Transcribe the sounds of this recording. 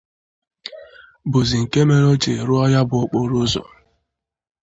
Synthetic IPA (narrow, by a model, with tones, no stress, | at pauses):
bʊ˨zi˨ŋ̩˨ke˦me˦ɾo˦t͡ʃe˨ɾʊ˦ɔ˦ja˦bʊ˨ʊ˦k͡po˦ɾo˦zɔ̰˨